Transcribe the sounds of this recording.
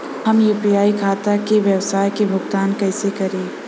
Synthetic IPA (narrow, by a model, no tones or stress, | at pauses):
hɐmjuːpijaːikʰaːt̪akeʋjɐwsaːjkebʱʊɡt̪aːnkɛːsekɐɾẽː